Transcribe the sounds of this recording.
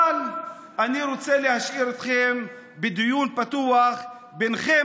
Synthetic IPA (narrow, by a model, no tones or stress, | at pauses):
l | ʔaniɾot͡selehaʃʔiɾet̪χem | bed̪ijunpat̪uaχ | benχe